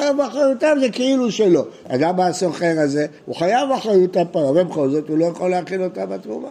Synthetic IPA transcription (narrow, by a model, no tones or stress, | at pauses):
ajavaχʁajutavzekeiluʃelo̞ | a̰dabaːsoχeʁaze̞ | uχajavaχʁajutapaavebeχo̞lzo̞tulo̞jaχo̞leaχilo̞tambatmuma